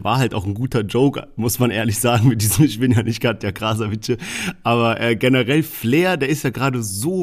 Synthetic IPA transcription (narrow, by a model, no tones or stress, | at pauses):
vaːɐɦaltaʊxn̩ɡuːtɐd͡ʒoʊkmʊsmanʔḛːɐlɪçz̥aːɡŋ̩mɪt̚d̥iːzəmɪç̬b̥ɪnjaːnɪçt̚ɡ̥atjaːɡʁas̬ɐvɪtçəʔaːβɐʔɛːɡɛnəʁɛlfleːɐdeːɐɪstjaːɡəʁaːdəzoː